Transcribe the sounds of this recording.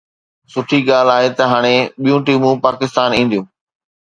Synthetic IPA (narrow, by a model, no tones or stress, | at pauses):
sʊʈʰiɠaːlaːɦet̪ɐɦaːɽ̃eɓijũʈiːmũpaːkɪst̪aːnĩːn̆d̪ijũː